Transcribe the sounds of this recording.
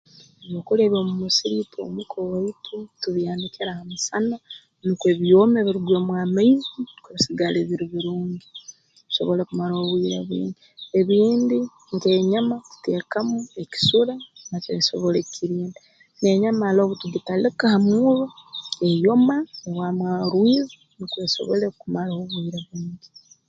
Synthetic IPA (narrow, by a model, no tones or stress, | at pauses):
eβoːkuleβoːmumusiɾitʰo̰mukʰowaitʰutuβjaːnikiɾahamusana | nikue̞βjomeβiɾuɡwemwaːmaizikeβisiɡaleβiɾiβiɾuːɲɡi | βiso̞̰βolakumaɾoːβwiːɾa̰βḭːɲdieβiːndi | ŋkeːɲamaku̥teːkamueki̥suɾanat͡ʃḛso̞̰βolekʰiɾiːndi | ne̞ɲamaːloβutiɡitalikahamuːβoejo̞maeβwamwaɾwizi | nikweso̞̰βo̰lekumaɾaoβwiːɾaβuːɲɟi